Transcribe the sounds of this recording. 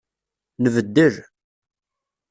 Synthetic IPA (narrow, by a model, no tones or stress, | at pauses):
nəvəd̪ːəʒ